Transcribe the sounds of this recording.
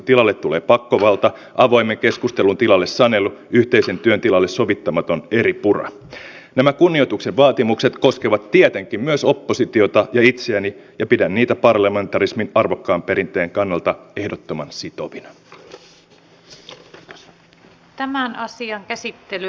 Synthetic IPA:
t̪ilɑlːe̞t̪ːule̞ːpɑkːoʋɑlt̪ɑ | ʔɑʋo̞jmːe̞ŋke̞skust̪e̞lunt̪ilɑlːe̞ssɑne̞lːuyht̪e̞ise̞nt̪yønt̪ilɑlːe̞sso̞ʋit̪ːɑmɑt̪o̞ne̞ɾipurɑ̰ | næmækunːio̞jt̪ukseʋʋɑːt̪imukset̪ko̞skeʋɑt̪t̪ːiet̪eŋkimmyøso̞pːo̞sit̪io̞t̪ɑjɑit̪seænijɑpidænːiːt̪æpɑrlɑme̞nt̪ɑrisminɑrʋo̞kːɑːmpe̞ɾint̪ˑe̞ːŋkɑnːɑlt̪ɑe̞hdot̪ːomɑnsit̪o̞ʋinɑ | t̪æmænɑsiɑŋkæsit̪ːely

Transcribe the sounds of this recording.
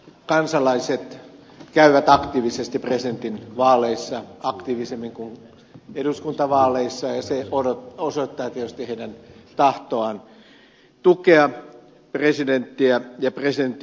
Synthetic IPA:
kɑnsɑlɑiset̪ | kæyʋæt̪ɑkt̪iːʋisest̪ipresdent̪inʋɑːleisːɑɑkt̪iːʋisemːiŋkuŋ | eduskunt̪ɑʋɑːleisːɑjɑseootosoit̪ːɑːt̪iet̪yst̪iheidænt̪ɑht̪oɑn | t̪ukeɑ | president̪ːiæjɑpresident̪ː

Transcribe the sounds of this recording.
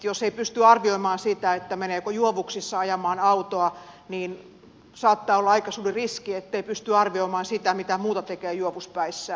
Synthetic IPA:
joseipyst̪yɑrʋioimɑːnsit̪æet̪ːæmeneːkojuoʋuksisːɑɑjɑmɑːnɑut̪oɑniːn | sɑːt̪ːɑːolːɑɑikɑsuːririskiet̪ːeipyst̪yɑrʋioimɑːnsit̪æmit̪æmuːt̪ɑt̪ekeːjuoʋuspæisːæ

